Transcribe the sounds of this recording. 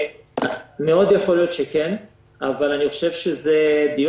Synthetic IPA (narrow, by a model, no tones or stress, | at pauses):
meo̞d̪jeχo̞lijo̞t̪ʃeken | avalaniχoʃevʃezed̪ij